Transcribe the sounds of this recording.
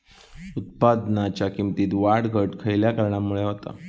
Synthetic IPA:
ut̪̚pad̪nat͡ɕjakimt̪iːt̪ʋaɽɡʱəʈkʰəjljakəɾɳamːuɭeɦot̪a̰

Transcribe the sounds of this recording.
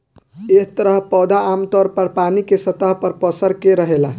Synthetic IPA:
eɦt̪əɾəɦpɔd̪aːmt̪ɔɾpəɾpanikesət̪əɦpəɾpəsəɾkeɾəɦela

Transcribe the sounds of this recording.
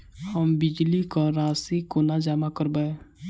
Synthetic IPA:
həmbɪd͡ʒlikaɾaːsikonad͡ʒaːmakəɾbaeː

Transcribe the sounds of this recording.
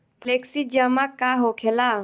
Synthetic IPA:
pʰleksid͡ʒəmakaɦokʰela

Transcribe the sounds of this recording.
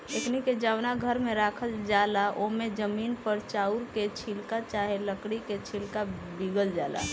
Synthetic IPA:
ekniked͡ʒaːʋnaɡʱəɾmẽɾaːkʰəld͡ʒaːlaʔomẽd͡ʒəmiːnpəɾt͡ʃaːuɾket͡ʃʰilkat͡ʃaːɦeləkɽiket͡ʃʰilkabiɡəld͡ʒaːla̰

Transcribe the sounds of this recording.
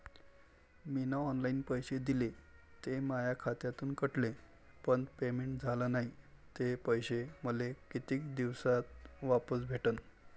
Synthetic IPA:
minaɔnlainpəjɕed̪ilet̪emajakʰat̪jat̪uːnkəʈle | pəɳpemeɳʈd͡zʱalanaɦi | t̪epəjɕeməlekit̪iːkd̪iʋsat̪̚ʋapəsbʱeʈən

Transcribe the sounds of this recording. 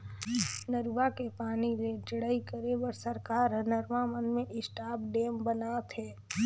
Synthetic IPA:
nəɾʋakepaːniled͡ʒəɽəikəɾebəɾsəɾkaːɾənəɾʋamənmẽʔɪsʈaːpɖeːmbənaːt̪ɦɛː

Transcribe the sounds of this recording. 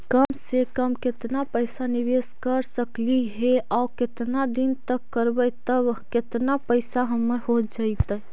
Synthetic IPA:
kəmsekəmket̪napəɪsaniʋeskəɾsəkliɦeaʊket̪nad̪int̪əkːəɾbəjt̪əbket̪napəɪsaɦəmːəɾɦod͡ʒaɪt̪əj

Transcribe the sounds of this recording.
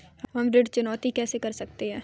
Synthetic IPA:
ɦɐmɾɪɖt͡ʃʊnɔːt̪ikɛːsekɐɾsɐkt̪eɦɛ̃ː

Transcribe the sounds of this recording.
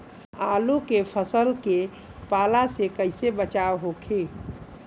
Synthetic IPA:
alukepʰəsəlke | palasekəjsebət͡ʃawɦokʰe

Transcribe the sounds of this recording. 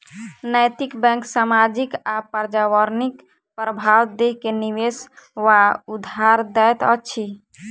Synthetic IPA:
nəjt̪ikbɛ̃ŋksamad͡ʒikapəɾd͡ʒawəɾnik | pɾəbʱawd̪eɦkeniweswaud̪ʱaɾd̪ɛjt̪ət͡ʃʰi

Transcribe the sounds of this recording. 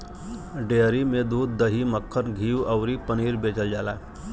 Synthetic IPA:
ɖeəɾimed̪uːd̪̚ːəɦiməkʰːənɡʱiːʋəwɾiːpəniːɾbed͡ʒəld͡ʒala̰

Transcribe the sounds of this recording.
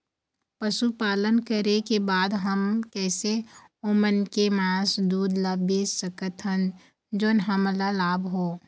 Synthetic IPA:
pəʃupaːlənkəɾekebaːd̪ɦəmkɛːseoːmənkemãːsd̪uːd̪labesəkət̪ɦən | d͡ʒoːnɦəmlalaːbɦoː

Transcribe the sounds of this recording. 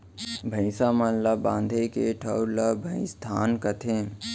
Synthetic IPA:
bʱə̃ɪ̃saːmɐnlɐbãːnd̪ʱekeʈʰəɾləbʱə̃ɪ̃st̪ʰaːnkət̪ʰẽː

